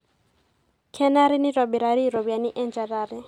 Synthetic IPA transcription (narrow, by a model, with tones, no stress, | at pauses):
kʰɛ˦na˦ɾi˦ni˦ɾa˨bi˨ɾa˨ɾi˦ɾo˨bia˨ni˦ʔɛ˦nd͡ʒa˨ɾaː˨ɾi˦